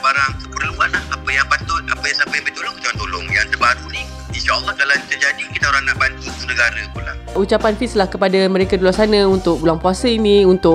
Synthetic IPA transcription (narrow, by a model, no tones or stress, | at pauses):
baɾaŋsəpərluanlahapajaŋpat̪ʊt̪̚a̰pajaŋsapajãbəit̪olʊŋkit̪aant̪olʊ̰ŋjaŋt̪ərbaɾuni | inʃaɔlˠːɔhkalait̪ərd͡ʒadikit̪aoɾaŋnaʔband̪it̪unə̃ɡaɾapula̰hut͡ʃapanfislahkəpadamə̃ɾekadulasanãunt̪ʊk̚bulaŋpuasəinĩunt̪ʊ